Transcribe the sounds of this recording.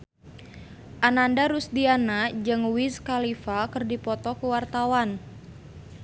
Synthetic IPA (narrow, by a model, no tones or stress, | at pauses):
ʔanandaɾusdianad͡ʒɨŋwiskalifakɨrdipɔt̪ɔkəwart̪awan